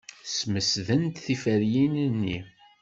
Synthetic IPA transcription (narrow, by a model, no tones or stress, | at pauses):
sməsðənt̪θifəɾjinnːi